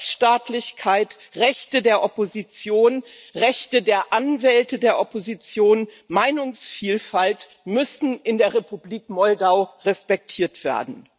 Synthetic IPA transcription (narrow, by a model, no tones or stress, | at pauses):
ʃtaːtlɪçkʰaɪtʁɛçtədeːɐʔɔpozit͡sjoːnʁɛçtədeːɐʔanvɛltədeːɐʔɔpozit͡sjoːn | maɪnʊŋsfiːlfalt | mʏsn̩ɪndeːɐʁepubliːkmɔldaʊʁɛspɛk̚tʰiːɐtv̥ḛːɐdn̩